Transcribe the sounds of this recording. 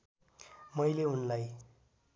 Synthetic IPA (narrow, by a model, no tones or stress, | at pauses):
mʌjleunlaj